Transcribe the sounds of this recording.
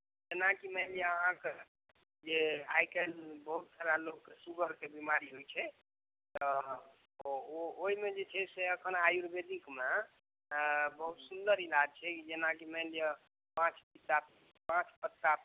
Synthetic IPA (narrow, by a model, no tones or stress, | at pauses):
d͡ʒenãkiməɪlijeəɦãke | d͡ʒea̰jkelbəɦut̪saɾalokːesubəɾkebimaɾiɦojt͡ʃʰɛ | t̪ɔ | ooɦimed͡ʒet͡ʃʰɛseəkʰənajuɾbed̪ikme | bəɦut̪sund̪əɾilad͡ʒt͡ʃʰɛkid͡ʒenãkiməɦlijẽ | pãt͡ʃpit̪ap | pãt͡ʃpət̪ːa